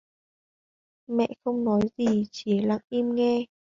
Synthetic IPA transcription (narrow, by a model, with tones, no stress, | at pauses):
mɛ̰˧˨xə˧wŋ͡mnɔ˨˦jzi˨˩t͡ɕi˧˩la̰ː˧˨ŋʔi˧mŋɛ˧